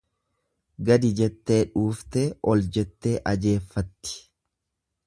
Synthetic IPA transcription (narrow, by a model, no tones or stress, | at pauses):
ɡɐd̪ɪd͡ʒɛt̪ːe̞ːᶑuːft̪eːʔɔld͡ʒɛt̪ːe̞ːʔɐd͡ʒe̞ːfːɐt̪ːɪ̥